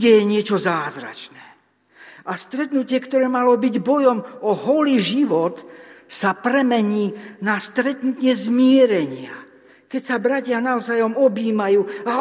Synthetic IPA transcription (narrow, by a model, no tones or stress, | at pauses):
ɛjɛɲɪɛt͡ʃɔzaːzɾa̰t͡ʃnɛː | ast̪ɾɛt̪nucɪɛkt̪ɔɾɛːmalɔbiɟbɔjɔmɔɦɔliʒiʋɔt̪sapɾɛmɛɲiːnast̪ɾɛt̪nut̪ɲɛzmɪɛɾɛɲɪa̰ | kɛcsabɾacɪanaɔzajɔmɔbiːmajuːa